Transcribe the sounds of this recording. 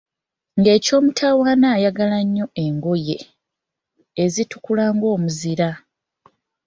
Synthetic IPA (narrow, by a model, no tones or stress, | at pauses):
ŋɡe̞ːco̞ːmutʰaːwaːnaːjaɡalaɲːo̞ʔe̞ŋɡo̞je̞ | zitukulaːŋɡo̞ːmuziɾa